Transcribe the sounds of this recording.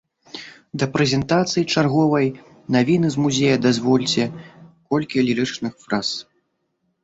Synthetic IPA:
d̪ɐpɾɛzʲɛnt̪at̪sɨjit͡ʂarɣɔvɐj | navʲinɨzmuzʲejɐd̪azvɔlʲt͡sʲɛkɔlʲkʲiɐlʲiɾɨt͡ʂnɨxfɾas

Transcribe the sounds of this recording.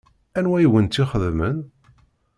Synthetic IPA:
ænwæjwənt̪ːiχəðmən

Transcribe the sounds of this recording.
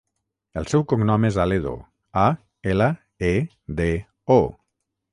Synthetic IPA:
elˠsɛwkoŋnɔmezaleðo̰ | a | elə | e | d̪e | o

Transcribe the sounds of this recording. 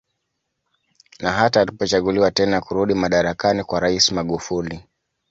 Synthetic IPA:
naɦataːlipɔt͡ʃaɠuliwatɛnakuɾuɗimaɗaɾakanikwaɾaismaɠufuli

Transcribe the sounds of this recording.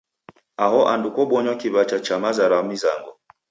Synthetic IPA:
aɦɔʔandukɔɓɔɲwakiβat͡ʃat͡ʃamazaɾamiza̰ŋɡɔ

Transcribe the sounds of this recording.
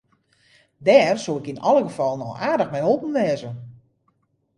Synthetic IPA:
dɛːrsuɪkinɔlˠəɡəfɔlˠənɔwaːdəxmɛjhopən̩ʋɛːzən

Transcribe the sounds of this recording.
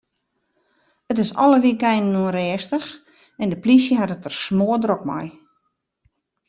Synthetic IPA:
ətɪsɔ̰ləʋikɛjnnuəɾɛːstəx | ɛndəplisjəɦatətərsmoədrok̚mɔ̰j

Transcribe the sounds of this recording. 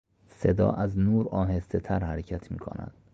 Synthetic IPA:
se̞d̪ɒ̰ːʔæznuːɾɒːɦe̞st̪et̪ʰæɾhæɾecʰæt̪ʰmḭːkʰo̰næ̰d̪̥

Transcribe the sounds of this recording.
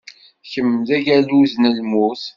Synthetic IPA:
çəmːðæʝæluznəlmuθ

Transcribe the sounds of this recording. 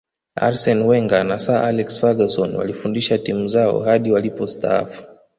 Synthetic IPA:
a̰ɾsɔnwɛŋɡanasaʔalɛksfaɡasɔnwa̰lifundiʃatimuzaɔ̰haɗiwalipɔsta̰a̰fu̥

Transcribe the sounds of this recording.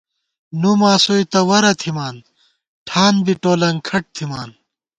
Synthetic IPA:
numaːsoit̪ɐwɐɾɐt̪ʰimaːn | ʈʰaːnbiʈoːlɐŋkʰɐʈ̚t̪ʰimaːn

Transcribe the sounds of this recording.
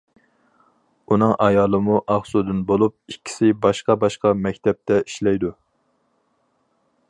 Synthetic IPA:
unɨŋʔɑjɑːlˠɨmuʔɑχsud̪ɨnbolˠup̚ikʲʰːi̥sɪbɑʃqɑbɑʃqɑmɛkʲt̪ʰɛp̚t̪ʰɛiʃlɛjd̪u

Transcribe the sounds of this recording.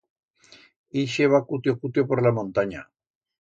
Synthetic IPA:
iʃeβakut̪jokut̪jopoɾlamõnt̪aɲa

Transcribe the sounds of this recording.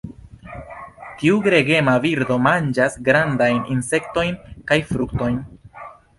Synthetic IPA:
tiuɡɾe̞ɡe̞maviɾdo̞mand͡ʒasɡɾandajnʔinse̞kto̞jnkajfɾukto̞jn

